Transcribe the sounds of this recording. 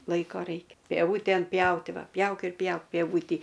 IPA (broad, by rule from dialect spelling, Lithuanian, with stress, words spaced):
ˈlˠɐɪkoː ˈrɐɪkʲɛ pʲiɛˈʋuːtʲɛn ˈpʲjɛʊtʲɪ ˈʋɐ ˈpʲjɛʊk ɪr ˈpʲjɛʊk pʲiɛˈʋuːtʲiː